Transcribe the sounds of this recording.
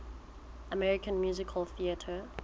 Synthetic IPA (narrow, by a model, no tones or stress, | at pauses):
əmɛɹɪkə̃nmjuːzɪkʰəlθiətʰə